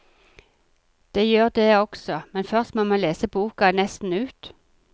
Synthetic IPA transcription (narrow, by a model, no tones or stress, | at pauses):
d̪̥eːjøːʁd̪eːɔɡ̥sɔmɛnfœʁst̪moːmɑnleːsəbuːkɑnɛst̪n̩ʉːt̪